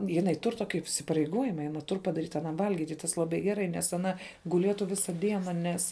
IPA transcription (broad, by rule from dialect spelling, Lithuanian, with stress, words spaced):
jɪˈnɐɪ ˈtʊr ˈtoːkʲɪ iːsʲɪpɐrʲɛɪˈɡoːjɪmɐ ɪ ɐˈnɐ ˈtʊr pɐdɐˈrʲiːt ɐˈnɐm ˈʋɐlʲɡʲiːtʲ ˈtɐs lˠɐˈbɐɪ ɡʲɛˈrɐɪ nʲɛs ɐˈnɐ ɡʊˈlʲiɛtʊ ˈʋʲɪsɐ ˈdʲiɛnɐ ˈnʲɛs